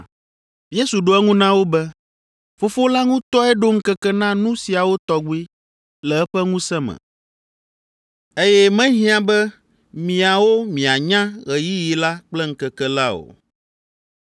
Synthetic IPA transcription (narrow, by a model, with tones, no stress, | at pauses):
je˦su˨ɖo˦ɛ˦ŋũ˦nã˦wo˦bɛ˦ | fo˦fo˦la˦ŋũ˦t̪ɔ˦ɛ˦ɖo˦ŋ̩˦kɛ˦kɛ˦nã˦nũ˦si˨a˨wo˦t̪ɔ˦ɡu˦i˦ | lɛ˨ɛ˦ɸɛ˦ŋũ˦sɛ˦mɛ̰̃˨ | e˦jɛ˦mɛ̃˦ɦĩ˦ã˦bɛ˦ | mĩ˨a˨wo˦mĩ˨a˨ɲã˦ɣɛ˨ji˦ji˨la˦k͡plɛ˦ŋ̩˦kɛ˨kɛ˦la˦o̰˨